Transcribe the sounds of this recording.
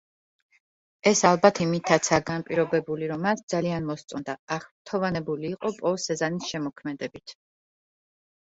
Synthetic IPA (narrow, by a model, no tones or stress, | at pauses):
ɛsalˠbat̪ʰimit̪ʰːat̪sʰaɡanpʼiɾɔbɛbuliɾɔmasd̪zalianmɔst̪sʼɔnd̪aaχt̪ʰɔvanɛbuliːqʼɔpʼɔsɛzanisʃɛmɔkʰmɛd̪ɛbit̪ʰ